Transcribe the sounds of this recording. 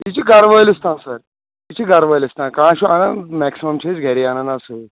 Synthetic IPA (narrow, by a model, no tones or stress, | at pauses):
it͡ʃʰiɡɐɾʋəːlist̪ʰãːnsɐɾ | it͡ʃʰiɡɐɾʋəːlist̪ʰãnkãːʃuanɐnmɛksimɐmt͡ʃʰisɡʱeɾiaːnɐnasu